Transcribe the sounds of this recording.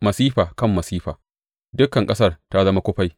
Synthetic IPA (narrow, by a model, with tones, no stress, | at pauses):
mɐ˨siː˦ɸaː˨kɐ˦˨mːɐ˨siː˦ɸa̰ː˨ | dʊ˦kɐ˨ŋkʼɐ˦sɐ˦˨rta˦zɐ˦ma˦kʷʊ˦ɸa˦j